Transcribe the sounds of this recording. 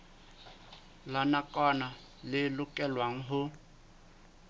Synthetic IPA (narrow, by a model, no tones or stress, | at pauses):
lanakʼɔna | lɪlʊkʼɛlwaŋ̩ɦʊ